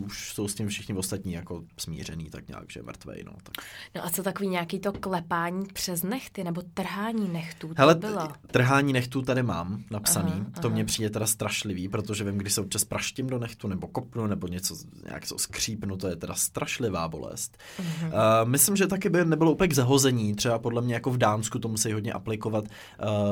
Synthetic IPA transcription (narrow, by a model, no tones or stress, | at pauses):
uʃso̞wscɪmfʃɪxɲɪvost̪at̪ɲiːjako̞smḭːr̝ɛnḭːt̪a̰kɲa̰ːɡʒ̥ɛ̰ɛ̰mr̩t̪vɛ̰jno̰t̪ḁknoʔat͡sot̪akoviːɲeakiːt̪oklɛpaːɲiːpr̝̥ɛznɛxt̪ɪnɛbot̪r̩ɦaːɲiːnɛxt̪uːɦɛlɛɪlot̪r̩ɦaːɲiːnɛxt̪uːt̪adɪma̰ːmnapsaniːt̪o̞mɲɛpr̥iːdɛt̪ɛdast̪ɾaʃlɪviːpɾo̞t̪oʒɛvɪmɡdɪʃsɛop̚t͡ʃaspɾaʃcɪmdonɛxt̪unɛbo̞kopnunɛbo̞ɲɛt͡so | ɲa̰ːksoskr̝̥iːpnut̪ojɛt̪ɛdast̪ɾʔaʃlɪva̰ːbo̞̰lɛ̰st̪ː | mɪslɪmʒɛt̪akɪbɪnɛbɪlouːpɲɛɡzaɦozɛɲiːt̪r̥ɛbapo̞dlɛmɲɛjako̞vdaːnskut̪omusɛjɦodɲɛ̰ʔaplɪko̞vat̪ː